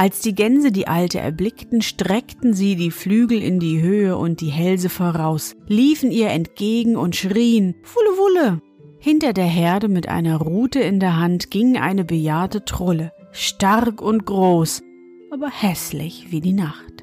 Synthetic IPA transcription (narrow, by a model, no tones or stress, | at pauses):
ʔalsd̥iːɡɛnzədiːʔaltə̰ʔɛ̰ɐblɪktn̩ʃtʁ̥ɛktn̩ziːdiːflyːɡl̩ɪ̰ndiːɦøːəʔʊ̰nt̚d̥iːɦɛlzəfoːʁaʊsliːfn̩iːɐɛntɡ̥eːɡŋ̩ʊntʃʁ̥iːənv̥ʊləvʊlə | hɪntɐdeːɐɦɛɐdəmɪtʔa̰ɪnɐʁuːtəɪndeːɐɦantɡ̥ɪŋʔa̰ɪnəbəjaːɐtətʁ̥ʊlə | ʃtaʁkʊntɡ̥ʁoːs | ʔʔaːbɐhɛslɪ̰çv̥iːdiːnaχt